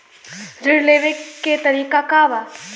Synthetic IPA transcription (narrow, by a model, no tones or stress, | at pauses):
ɾɪɽleːʋekkːet̪ɐɾiːkakaʋa